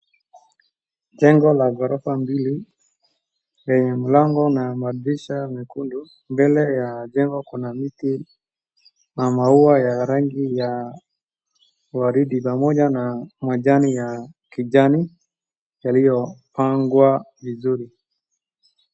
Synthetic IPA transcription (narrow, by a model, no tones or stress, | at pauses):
d͡ʒɛŋɡɔlaɡɔɾɔfambili | lɛɲɛm̩laŋɡɔnamadɾiʃamikundu | mbɛlɛjad͡ʒɛŋɡɔkunamiti | namauajaɾaŋɡija | waɾiɗipamɔʄanamwaʄanijakiʄani | jalijɔpaŋɡwavizuɾi